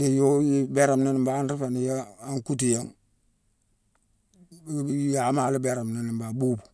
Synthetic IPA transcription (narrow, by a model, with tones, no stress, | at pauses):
de˨jo˦ji˦be˦ɾa˨mne˦ni˨mba˦nɾi˦fa˨ni˨ja˦a˦ŋku˦t̬i˨ja˦ŋ | ja˨˦ma˨lɪ˦be˦ɾa˨mne˦ni˨mba˨buː˦bu̥˨